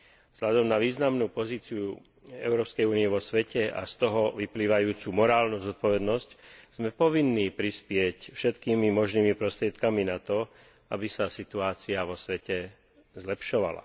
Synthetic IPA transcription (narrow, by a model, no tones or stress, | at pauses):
vz̥lʎad̪ɔmnaʋiːznamnuːpɔziːt͡siu | ɛ̰ʊɾɔːpskɛjuːnijɛʋɔsʋɛcɛʔa̰st̪ɔɦɔʋipliːʋajuːt͡sumɔɾaːlnuːzɔt̪̚pɔʋɛd̪nɔscz̥mɛpɔʋinːiːpɾispɪɛcfʃɛt̪kiːmimɔʒniːmipɾɔst̪ɾɪɛt̪kaminat̪ɔ | abisasit̪uaːt͡siaʋɔsʋɛcɛ | zlɛpʃɔʋa̰la̰